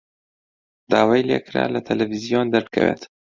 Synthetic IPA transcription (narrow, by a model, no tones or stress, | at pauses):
d̪aːwajleːkʰɾa̰ːlɐt̪ʰɐlɛvizijond̪ɐɾbɨkʰɐ̰weːt̪